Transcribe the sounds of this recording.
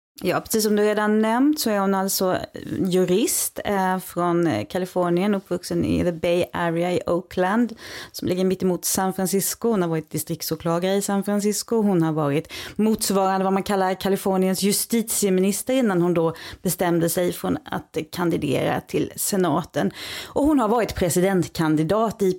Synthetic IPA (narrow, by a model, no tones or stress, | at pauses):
jɑːpʰɾɛsiːs̬ɔmd̪ɵɾeːd̪anːɛmt̪sɔæɾhʊnalt̪sɔjɵɾɪst̪fɾɔnkʰalɪfɔɳɪənɵpːvɵksənɪ̰ðəbɛjæɾɪaɪʔoʊkʰland̪sɔmlɪɡːəɾmɪt̪ːɪmuːt̪sanfɾansɪskʊhʊnhaɾvɑːɾɪt̪̚d̪ɪst̪ɾɪk̚t̪sʊːɾkʰlɑːɡaɾəɪsanfɾans̬ɪskʊɦʊnhaɾvɑːɾɪt̪muːt̪svɑːɾand̪əvamankʰalːaɾkʰalɪfɔːɳɪənsjɵst̪iːt̪sɪəmɪnɪst̪əɾɪnːanhʊnd̪ɔb̥ɛst̪ɛmd̪əsɛjfɾɔna̰t̪kʰand̪ɪd̪ḛːɾa̰t̪ʰɪlsɛnɑːt̪ənʔɔhʊnɦaɾvɑːɾɪt̪pʰɾɛsɪd̪ɛnt̪kʰand̪ɪd̪ɑːt̪ɪ